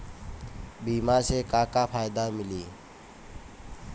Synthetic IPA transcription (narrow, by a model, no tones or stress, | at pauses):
bimasekakapʰajd̪amiliː